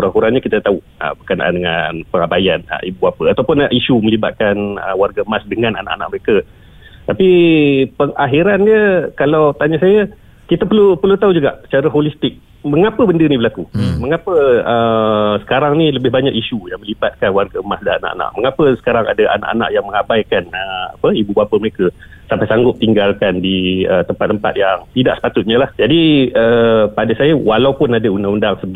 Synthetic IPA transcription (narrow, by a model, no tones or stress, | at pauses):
kuɾaŋkuɾanɲəkit̪at̪au | ə̰bəkana̰ʔa̰ndəŋa̰npəŋabajanə̰ʔibuapəat̪awpʊnʔiʃuməliba̰t̪̚kanəwarɡaəmasdəŋana̰na̰ʔanaʔ̚məɾekə | t̪apipəŋaɦiɾandiəkalawt̪aɲasajə | kit̪əpəlupəlut̪aud͡ʒuɡa̰ʔsə̥t͡ʃaɾəɦolist̪ɪk̚ | məŋapəbəndənibəlakuməŋapəəsə̥kaɾaŋniləbɪɦbaɲakiʃujaŋmə̃libat̪̚kanwarkəəmasdaana̰ʔa̰na̰ʔ̚məŋapəsə̥kaɾaŋa̰daʔa̰na̰ʔa̰na̰ʔjaŋməŋabajkanəa̰pəibubapəməɾekə | sampajsaŋɡʊp̚t̪iŋɡalkandiət̪əmpat̪ːəmpa̰t̪̚jaŋt̪ida̰ʔsə̥pat̪ʊt̪̚ɲalahd͡ʒadiəpadasajəwalawpʊnadaundaŋundaŋsəbəɡ